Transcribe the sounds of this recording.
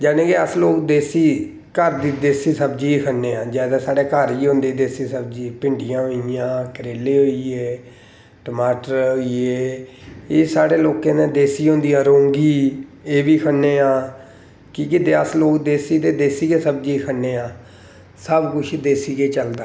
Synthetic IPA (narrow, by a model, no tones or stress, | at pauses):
d͡ʒɛːnẽːɡeːəsloːkd̪eːsiː | kəɾd̪iːd̪eːsiːsəbd͡ʒiːkʰənːeːãːd͡ʒɛːd̪ãːsaːɽeːkəɾiːɦõːnd̪eːd̪eːsiːsəb̚d͡ʒiːpɪɳɖɪjãːɦoːijãːkəɾeːleːɦoːiːeː | ʈəmaːʈəɾoːiːeː | eːsaːɽeːloːkeːnẽːd̪eːsiːɦõːnd̪iːãːɾõːŋɡiːeːʋiːkʰənːeːãː | kɪkɪd̪eːəsloːkd̪eːsiːd̪eːd̪eːsiːkeːsəb̚d͡ʒiːkʰənːeːãː | səbkʊʃiːd̪eːsiːkeːt͡ʃəld̪aː